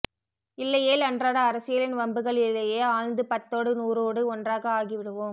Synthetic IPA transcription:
ɪlːɐjeːlɐndraːɽɐːɾɐsɪjɐlɪnʋɐmbɯɣɐɭɪlːɐjeːaːɻnd̪ɯpɐt̪ːoːɽɯnuːɾoːɽɯɔndraːɣɐaːɣiʋɪɽɯʋɯm

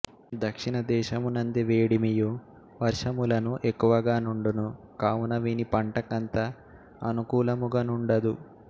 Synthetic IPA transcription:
d̪ɐkʂiɳɐd̪ɛːʃɐmunɐnd̪iʋeːɽimiju | ʋɐɾʂɐmulɐnuʔekːuʋɐɡaːnuɳɖunu | kaːwunɐʋinipɐɳʈɐkɐnt̪ɐ | ɐnukuːlɐmuɡɐnuɳɖɐd̪u

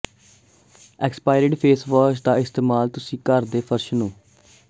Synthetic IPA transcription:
ɛkspaːɪɾɪɖpʰeːsʋaːt͡ʃd̪aːɪst̪eːmaːlt̪ʊsĩːkəɾd̪eːpʰəɾʃnũː

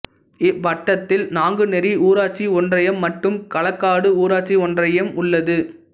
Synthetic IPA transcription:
ɪʋɐʈːɐt̪ːɪlnaːŋɡɯnɛɾiuːɾaːʈ̚t͡ʃiɔndrɐjɐmːɐʈːɯmkɐɭɐkːaːɽɯuːɾaːʈt͡ʃiɔndrɐjɐmʊɭːɐðɯ

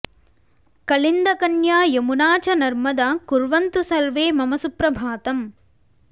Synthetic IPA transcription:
kɐlind̪ɐkɐnjaːjemunaːt͡ʃɐnɐɾmɐd̪aːkuɾʋɐnt̪usɐɾʋeːmɐmɐsupɾɐbʱaːt̪ɐm

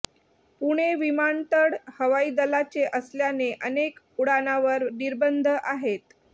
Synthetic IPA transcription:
puɽ̃eʋimant̪əɽhəʋaiːd̪əlat͡ɕeʔəsljaneʔənek | uɽanaʋəɾniɾbənd̪ʱəʔaɦet̪

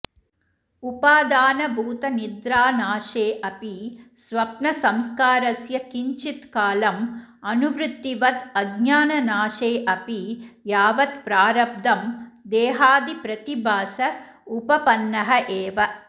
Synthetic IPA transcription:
upaːd̪aːnɐbʱuːt̪ɐnid̪ɾaːnaːʃeːʔɐpisʋɐpnɐsɐmskaːɾɐsjɐkiɲt͡ʃit̪kaːlɐm | ɐnuʋɾut̪ːiʋɐt̪ɐɡɲaːnɐnaːʃeːʔɐpijaːʋɐt̪pɾaːɾɐb̚d̪ʱɐmd̪eːɦaːd̪ipɾɐt̪ibʱaːsɐupɐpɐnːɐɦɐʔeːʋɐ

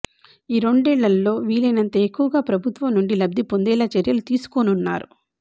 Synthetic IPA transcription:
iːɾo̞ɳɖɛːɭːɐlːo̞ːʋiːlɐjnɐnt̪ɐekːuʋɐɡaːpɾɐbʱut̪ʋɐmnuɳɖilɐb̚d̪ipond̪ɛːlɐt͡ʃɐɾjɐlut̪iːsu̥konunːa̰ːɾu

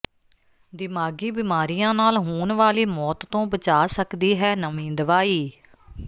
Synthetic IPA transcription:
d̪ɪmaːɡiːbɪmaːɾijãːnaːlɦuːnʋaːliːmɔːt̪ːõːbət͡ʃaːsəkd̪iːɦɛːnəmĩːd̪əʋaːiː

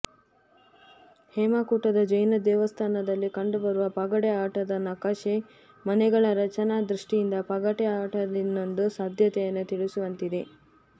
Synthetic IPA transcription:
hɛːmaːkuːʈɐd̪ɐd͡ʒɐjnɐd̪ɛːʋɐst̪ʰaːnɐd̪ɐlːikɐɳɖubɐɾuʋɐpɐɡɐʈeaːʈɐd̪ɐnɐkaʃe | mɐnɛɡɐɭɐɾɐt͡ʃɐnad̪ɾuʂʈijind̪ɐpɐɡɐʈeaːʈɐd̪inːond̪usaːd̪ʱjɐt̪ɛjɐnːut̪iɭisuʋɐnt̪id̪e̞

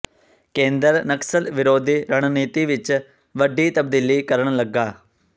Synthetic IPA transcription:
kẽːnd̪əɾnəksəlʋɪɾoːd̪iːɾəɽniːt̪iːʋɪt͡ʃ | ʋəɖiːt̪əb̚d̪iːliːkəɾəɳ̃ləɡːaː

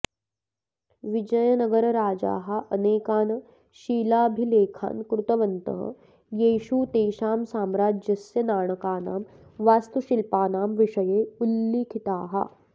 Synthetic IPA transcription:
ʋid͡ʒɐjɐnɐɡɐɾɐɾaːd͡ʒa̰ːɦɐʔɐneːkaːnɐ | ʃiːlaːbʱileːkʰa̰ːnkɾut̪ɐʋɐnt̪ɐ̰ɦɐ̰ | jeːʃuːt̪eːʃaːmsaːmɾaːd͡ʒjɐsjɐnaːɳɐkaːna̰ːm | ʋaːst̪uʃilpaːnaːmʋiʂɐjeːulːiːkʰit̪aːɦɐ̰

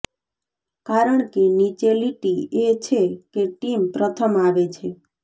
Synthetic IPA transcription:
kaɾəɳ̃kenit͡ʃeliʈiet͡ʃʰekeʈimpɾət̪ʰəmaʋet͡ʃʰe

